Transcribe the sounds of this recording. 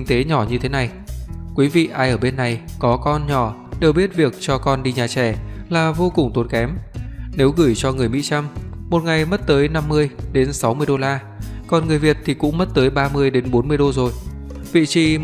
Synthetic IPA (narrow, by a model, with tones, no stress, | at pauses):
ŋ̟t̪e˨˦ɲɔ˧˩ɲɨ˧t̪ʰe˨˦na˨˩j | kwi˨˦vḭ˧˨ʔaː˧jʔəː˧˩ɓe˧nːa˨˩jkɔ˨˦kɔ˧nɲɔ˧˩ɗe˨˩wɓi˦˥ət̚vi˨˩ək̚t͡ɕɔ˧kɔ˧nɗi˧ɲaː˨˩t͡ɕɛ˧˩laː˨˩vo˧kʊ˨˩ŋ͡mt̪o˨˦nkɛ˨˦mne˨˦wɣɨ˧˩jt͡ɕɔ˧ŋɨ˨˩əjmḭ˧˥t͡ɕa˧mːo˨˩t̚ŋa˨˩jmə˦˥t̚t̪əː˨˦jna˧mːɨ˧əjɗe˨˦nsa˨˦wmɨ˧əjɗo˧laː˧ | kɔ˨˩nŋɨ˨˩əjvi˨˩ət̚t̪ʰi˨˩kʊ̰˧˥ŋ͡mmə˦˥t̚t̪əː˨˦jɓaː˧mɨ˧əjɗe˨˦nɓo˨˦nmɨ˧əjɗo˧zo˨˩j | vḭ˧˨t͡ɕi˨˧